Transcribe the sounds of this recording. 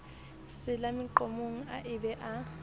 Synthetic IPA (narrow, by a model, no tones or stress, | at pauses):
sɪlamɪǃomuŋ̩aʔɪbɛʔa